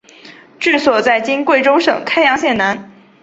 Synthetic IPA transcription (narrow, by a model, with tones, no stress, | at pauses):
ʈ͡ʂɻ̩˥˩swɔ˨˩t͡sa˥˩ɪt͡ɕi˥nkwe˥˩ɪʈ͡ʂo˥ʊʂɤ̰˨˩ŋkʰa˥ɪjɑ˧˥ŋɕjɛ˥˩na˧˥n